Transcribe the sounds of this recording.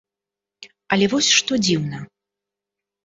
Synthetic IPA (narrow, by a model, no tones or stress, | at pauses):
ɐlʲɛvɔsʲʂt̪ɔd͡zʲiwnɐ